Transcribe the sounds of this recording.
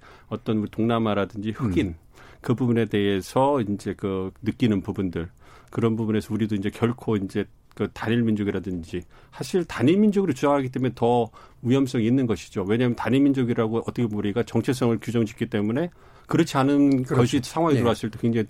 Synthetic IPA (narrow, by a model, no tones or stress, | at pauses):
ʌt͈ʌnuɾitoŋnamaɾadɯnd͡ʑihɯɡin | kɯbubune̞de̞ɦesʰʌind͡ʑe̞kɯnɯk͈inɯnpubundɯɭ | kɯɾʌnbubune̞sʰʌuɾidoind͡ʑe̞kjʌɭkʰoind͡ʑe̞ | kɯtaɲiɭmind͡ʑoɡiɾadɯnd͡ʑi | sʰaɕʰiɭtaɲiɭmind͡ʑoɡɯɾot͡ɕud͡ʑaŋɦaɡit͈emeetʌ | ujʌms̬͈ʰʌŋiːnːɯnɡʌɕʰi̥d͡ʑowe̞ɲamjʌntaɲimind͡ʑoɡiɾaɡoʌt͈ʌkʰemuɾiɡat͡ɕʌŋt͡ɕʰes̬͈ʌŋɯɭkjud͡ʑʌŋd͡ʑi̥k͈ːit͈e̞mune̞ | kɯɾʌt͡ɕʰianɯnkʌɕʰisʰaŋɦwaŋeuɾoas͈ʰɯɭt͈e̞kweŋd͡ʑaŋi